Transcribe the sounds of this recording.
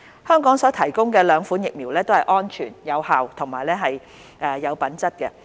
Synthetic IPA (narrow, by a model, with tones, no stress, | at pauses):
hœː˥ŋkɔː˨˥ŋsɔː˨˥t̪ʰɐ˨˩jkʊ˥ŋkɛː˧lœː˨˧ŋfuː˨˥njɪ˨k̚miː˨˩wlɛː˥t̪o˥whɐ˨jʔɔː˥nt͡ʃʰyː˨˩njɐ˨˧whaː˨wt̪ʰʊ˨˩ŋmaː˨˩jlɛː˥ɦɐ˨j | ʔɛː˨jɐ˨˧wpɐ˨˥nt͡sɐ˥t̚kɛ˧